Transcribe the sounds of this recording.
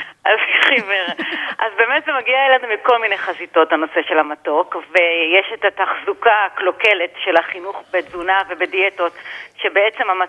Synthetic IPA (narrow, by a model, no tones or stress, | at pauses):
alfiχiveʁʔazbe̞ːmetzemaɡiaelanumiko̞lminejχazito̞tano̞se̞ʃe̞lamato̞kvejeʃetataχzukaklo̞keletʃe̞laχinuχbed͡zunave̞bedieto̞tʃe̞beet͡se̞mama